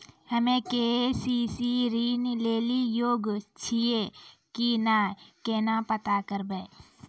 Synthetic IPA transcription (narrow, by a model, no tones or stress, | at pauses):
həmẽkeesiːsiɾiːnleːlijoːɡt͡ʃʰiekinaːkeːnapət̪akəɾbeː